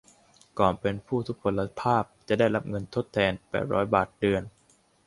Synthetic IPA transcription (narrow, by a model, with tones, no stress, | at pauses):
kɔː˨˩npe˧npʰuː˥˩t̪ʰu˦˥k̚pʰo˧lːa˧pʰaː˥˩p̚t͡ɕa˨˩daː˥˩jɾa˦˥p̚ŋɤ˧nt̪ʰo˦˥t̪ʰːɛː˧npɛ̰ː˨˩t̪̚ɾɔ̰ː˦˥jbaː˨˩t̪̚dɯ˧ən